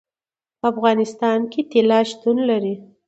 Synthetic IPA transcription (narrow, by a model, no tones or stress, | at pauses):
pəafɣɑnɪst̪ɑnket̪elɑʃt̪unlaɾi